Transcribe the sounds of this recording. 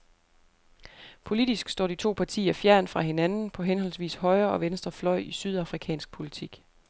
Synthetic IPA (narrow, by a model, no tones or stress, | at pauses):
pʰo̝lid̥isɡ̥sd̥ɒ̰ːd̥it͡sʰo̝̰ːpʰɑ̈t͡sʰḭːɐfjæɐnfʁɑ̈ɦe̝nænn̩pʰɒ̽ɦenɦɒ̽lsʋḭːshɒ̽ɪɐːɒ̽ʋensd̥ʁɐflɒ̽ɪ̰isyð̞ˠɑ̈fʁikʰɛ̰ːnsɡ̥̚pʰo̝lit͡sʰiɡ̥